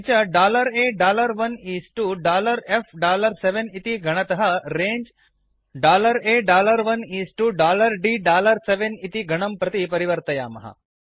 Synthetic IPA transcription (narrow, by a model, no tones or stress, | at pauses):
t͡ʃɐɖaːlɐɾeːɖaːlɐɾʋɐniːsʈuɖaːlɐɾefɖaːlɐɾseʋenit̪iɡʱɐɳ̃ɐt̪ɐɦɐɾẽːɲd͡ʒ | ɖaːlɐɾeːɖaːlɐɾʋɐniːsʈuɖaːlɐɾɖiːɖaːlɐɾseʋenit̪iɡʱɐɳɐmpɾɐt̪ipɐɾiʋɐɾt̪ɐja̰ːmɐ̰ɦɐ̰